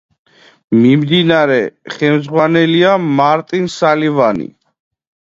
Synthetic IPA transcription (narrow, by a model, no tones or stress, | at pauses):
mimd̪inaɾɛχɛmzʁwanɛliamaɾt̪ʼinsalivanḭ